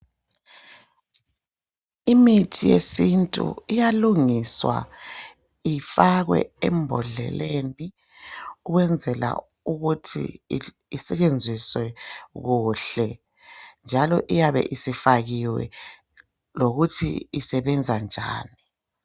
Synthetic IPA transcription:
imitʰijḛsintʼṵijaluŋiswa̰ | ifaɣwɛ̰ɛmbʱɔɮɛ̰lʔeni | uɣwɛnd͡zʱɛla̰ | uɣutʰḭː | sɛt͡ʃʼend͡zʱiswɛɣuɬɛ | nd͡ʒʱalɔʔijaβɛ̰ʔisifaɣiwɛ̰ | loɣutʰḭisɛβɛnd͡zʱand͡ʒʱa̰ːni

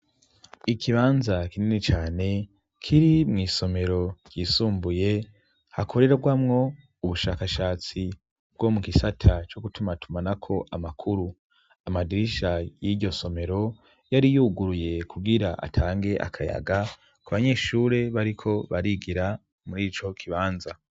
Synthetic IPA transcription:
ikʰiβaːnzakininit͡ʃaːne̞ | kʰiɾimŋiːso̞me̞ɾo̞ɾɟ̥iːsuːmbuje̞ | hakʰo̞ɾe̞ɾaɡwamŋo̞ | uβuʃaːkaʃaːt͡si | b̚ɡ̥o̞mukisatʰat͡ʃo̞ɡutumatʰumanakʰo̞ʔamakʰuɾu | amadiɾiʃajiɾɟo̞so̞me̞ɾo̞ | jaɾijuɡuɾuje̞kuɡiɾaʔa̰tʰaːŋɡe̞ʔa̰kʰaja̰ɡa | kuβaɲe̞ːʃuːɾe̞βaɾikʰo̞βaɾiɡiɾa | muɾiːt͡ʃo̞kʰiβaːnza

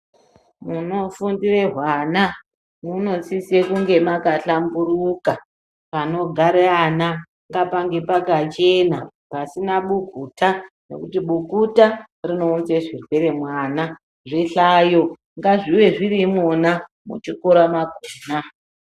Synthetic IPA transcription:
muno̞fundireɦwana | muno̞t͡sisekuŋɡe̞makaɬambuɾuka | pano̞ɡʱaɾeana | ŋɡapaŋɡe̞pakat͡ʃe̞na | pasinaɓukuta | ne̞̰kutiɓukuta | rino̞ːnzeʐirwe̞ɾe̞mwaːna | ʐiɬajo | ŋɡaʐiwe̞ʐirimona | mṵt͡ʃikoɾamakoːna

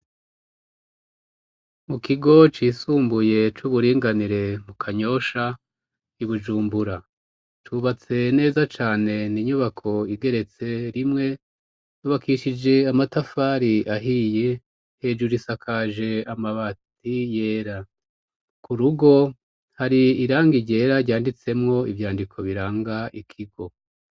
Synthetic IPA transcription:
mukiɡo̞t͡ʃiːsuːmbuje̞t͡ʃuβuɾiːŋɡaniɾe̞mukʰaɲo̞ʃa | iβud͡ʒuːmbuɾa | t͡ʃuβat͡se̞ne̞ːzat͡ʃaːne̞niɲuβakʰo̞iɡe̞ɾe̞t͡se̞ɾimŋe̞ | nuβakiʃid͡ʒe̞amatafaːɾiʔaɦije̞ | he̞ːd͡ʒuɾisakʰaːʒe̞amaβat | ije̞ːɾa | kuɾuɡo̞ | haɾiːɾaːŋɡiɾɟe̞ːɾaɾɟaːndit͡se̞mŋo̞ivjaːndikʰo̞βiɾaːŋɡaʔikʰiɡo̞

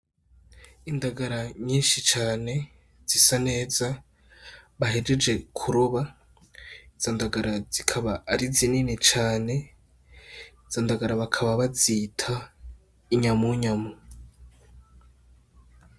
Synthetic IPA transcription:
indaɡaɾaɲiːnʃit͡ʃaːne̞ | z̥isane̞ːza | βaɦeɾed͡ʒe̞kʰuɾuβa | iz̥ondaɡaɾaz̥ikʰaβaːɾizininit͡ʃaːne̞ | iz̥ondaɡaɾaβakʰaβaβazitʰa | iɲamuɲamu

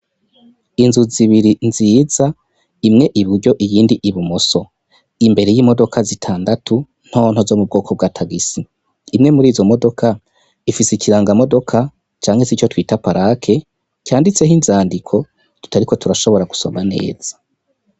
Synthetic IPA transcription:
inzuziβiɾinziːza | imŋe̞ʔiβuɾɟo̞ʔijiːndiʔiβumoso̞ | imbe̞ɾe̞jiːmo̞do̞kʰazitʰaːndatʰu | n̥ho̞ːn̥ho̞zo̞mub̚ɡo̞ːkʰo̞b̚ɡaːtʰaɡisiː | mŋe̞muɾiːzo̞mo̞do̞kʰa | ifisikiɾaːŋɡamo̞do̞kʰa | t͡ʃaːŋhesit͡ʃotwiːtapaɾakʰe̞ | caːndit͡se̞ɦinzaːndikʰo̞ | tu̥taɾiko̞tuɾaʃo̞βo̞ɾaɡu̥so̞̰mane̞̰ːz̥ḁ

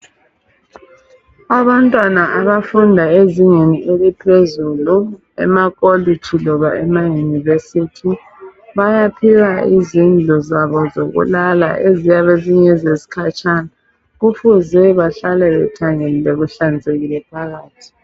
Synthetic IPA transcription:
aβantʼwanaʔaβafundʱaeziŋeniʔelipʰezulu | ɛ̰makʼolit͡ʃʰilɔβaʔɛmajunivesitʰi | βajapʰiɣaizind͡ɮʱɔzaβɔzoɣṵlala̰ʔezijaβeziɲezesi̥kʰat͡ʃʼana | ɣufuzɛβaɬalɛβɛ̰tʰaŋelilɛɣuɬand͡zʱeɣilɛpʰaɣaːtʰi̥

